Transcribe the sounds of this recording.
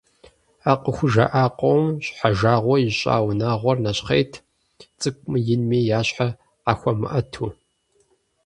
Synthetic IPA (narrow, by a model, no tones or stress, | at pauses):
aːqəxʷʊʒɐ̰ʔaːqʷʼowmɕħaʒaːʁʷɔjiɕʼa̰ːwnaːʁʷɔrnɐɕχejtʰ | t͡sʼɨkʷʼmɨjɪnmiːjaːɕħa | qaːxʷɐmɨ̰ʔɐtʰuː